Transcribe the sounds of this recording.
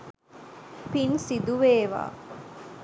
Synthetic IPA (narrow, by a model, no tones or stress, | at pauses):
pinsid̪uʋeːʋa̰ː